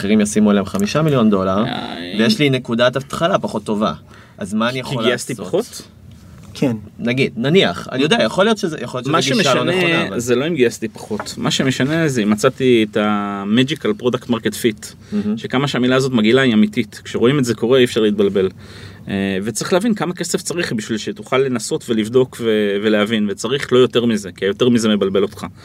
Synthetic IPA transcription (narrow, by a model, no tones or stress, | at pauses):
aχeʁimjasimuelemχamiʃamiljo̞ndo̞laʁa̰vejeʃline̞kudatat̪χalapaχo̞t̪ːo̞va̰ | ʔazmaːnijaoliast̪iaχot̪ | kʰennaɡidnaniaχa̰nijodeajaχolijo̞tʃezjaχoljoemaʃiemeaʃaoneeoazeloimɡiast̪ipḁχo̞tmaʃemeʃane̞zeimat͡sat̪ietamed͡ʒikalpʁo̞daktmaʁketfit | ʃe̞kamaʃeamilaːzo̞t̬maɡilaiamititkʃeʁo̞imetze̞ko̞ʁeifʃaʁleit̪̚balbe̞l | vet͡saʁiχleavinkamake̞se̞ft͡saʁiχbiʃvilʃetuχalːe̞naso̞tve̞livdo̞kve̞ve̞leavinvet͡saʁiχlo̞jo̞te̞ʁmize̞kiajote̞ʁmize̞me̞balbe̞lo̞tχa